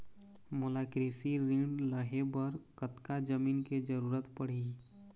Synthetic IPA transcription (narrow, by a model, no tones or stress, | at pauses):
mʊlakɾisiɾĩɖləɦebəɾkət̪kad͡ʒəmiːnked͡ʒəɾuːɾət̪pəɽ̤i